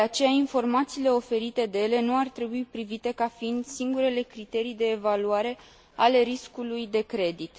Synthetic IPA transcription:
d̪eat͡ʃe̞jainfo̞rmat̪siːle̞o̞fe̞ɾit̪e̞d̪e̞je̞le̞nuart̪ɾe̞buipɾivit̪e̞kafiind̪siŋɡuɾe̞le̞kɾit̪e̞ɾijd̪e̞ːvaluaɾe̞ | ale̞ɾiskulujd̪e̞kɾe̞d̪it̪

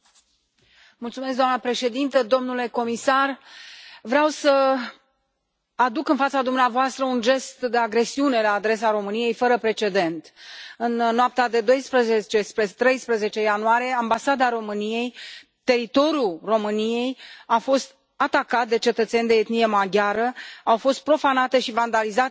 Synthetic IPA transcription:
mult̪sume̞s̬kɡd̪oamnəpɾe̞ʃe̞d̪int̪əd̪o̞mnule̞ko̞misar | vɾeawsə | ad̪ukɨnfat̪sad̪umneavoast̪ɾəunʒe̞st̪d̪e̞aɡɾe̞siune̞laːd̪ɾe̞s̬aɾo̞mɨnije̞jfəɾəpɾe̞t͡ʃe̞d̪e̞nt̪ɨnnːoap̚t̪ad̪e̞d̪o̞jspɾəzet͡ʃespɾet̪ɾe̞jspɾəze̞t͡ʃe̞januaɾije̞ambasad̪aɾo̞mɨnije̞j | t̪e̞ɾit̪o̞ɾjulro̞mɨnije̞jafo̞st̪̚ | at̪akat̪̚d̪e̞t͡ʃe̞t̪ət̪se̞nʲd̪e̞jet̪nijemaɡʲaɾəawfo̞st̪̚pɾo̞fanat̪e̞ʃivand̪alizat̪

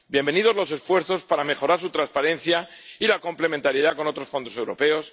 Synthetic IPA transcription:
bje̞mbe̞niðo̞zlo̞se̞sfwe̞ɾθo̞spaɾame̞xo̞ɾaɾsut̪ɾanspaɾẽ̞nθjailako̞mple̞mẽnt̪aɾjeðako̞no̞t̪ɾosfo̞nd̪o̞se̞wɾo̞̰pe̞o̞s

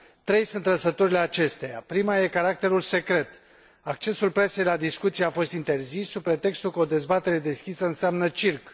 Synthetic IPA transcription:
t̪ɾe̞jsunt̪ləsət̪oɾile̞at͡ʃe̞st̪ejapɾimaje̞kaɾak̚t̪e̞ɾulse̞kɾe̞t̪ | ak̚t͡ʃe̞sulpɾe̞se̞jlad̪iskut̪sijeafo̞st̪int̪e̞rzisːupɾet̪e̞kst̪ulkəo̞d̪e̞zbat̪e̞ɾe̞d̪e̞skʲisəɨnseamnət͡ʃirk

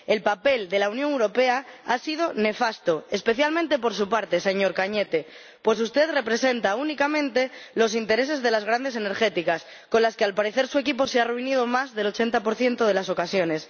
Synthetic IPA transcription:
e̞lpape̞ld̪e̞launjoŋewɾo̞pe̞aasið̞o̞ne̞fast̪oespe̞θjalmẽnt̪e̞po̞ɾsupaɾt̪e̞se̞ɲo̞ɾkaɲet̪e̞ | pwe̞sust̪e̞ðre̞pɾe̞se̞nt̪aunikamẽ̞nt̪e̞lo̞s̬int̪e̞ɾese̞zðe̞lazɣ̞ɾand̪e̞sene̞ɾxe̞t̪ikas | ko̞nlaskealpaɾeθe̞ɾsue̞kipo̞searuiniðomazðe̞lo̞t͡ʃe̞nt̪apo̞ɾθje̞nt̪oð̞e̞laso̞kasjo̞ne̞s

